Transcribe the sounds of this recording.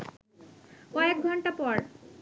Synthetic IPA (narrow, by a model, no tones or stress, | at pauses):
kɔek̚ɡʱɔɳʈapɔɾ